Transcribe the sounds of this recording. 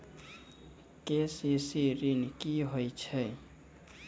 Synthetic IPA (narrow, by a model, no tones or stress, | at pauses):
kesisiɾinkiɦojt͡ʃʰɛ